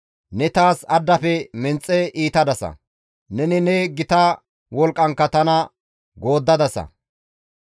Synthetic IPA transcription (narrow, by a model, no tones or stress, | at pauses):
nɛt̪aːsɐd̪ːɐfɛmɛnt͡sʼːɛʔiːt̪ɐd̪ɐsɐ̰ | nɛnɪnɛɡɪt̪ɐ | wɔlkʼːɐŋkːɐt̪ɐnɐ | ɡo̞ːd̪ːɐd̪ɐsɐ̰